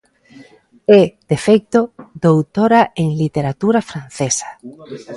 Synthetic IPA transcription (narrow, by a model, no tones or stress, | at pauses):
ɛd̪̥efejkt̪od̪owt̪oɾaʔeŋlit̪eɾat̪uɾafɾan̟θesḁ